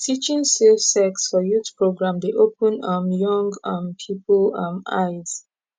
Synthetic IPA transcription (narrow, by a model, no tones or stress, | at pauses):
tʰit͡ʃĩnsevsɛksfɔjutpɹoɡɹãmdeʔopə̃nʌmjɔ̃ŋɡʌ̃mpʰiplʌ̃ma̰ɪz̥